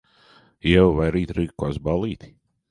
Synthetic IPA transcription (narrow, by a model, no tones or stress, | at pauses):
jɛwvajɾiːt̪ɾikːasbalˠiːt̪i̥